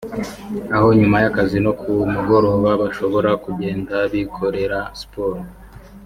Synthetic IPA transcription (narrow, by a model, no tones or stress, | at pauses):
aho̞ɲumajakazino̞kʰumuɡo̞ɾoβaβaʃo̞βo̞ɾakuɟe̞ːndaβikʰo̞ɾe̞ɾaspoːɾo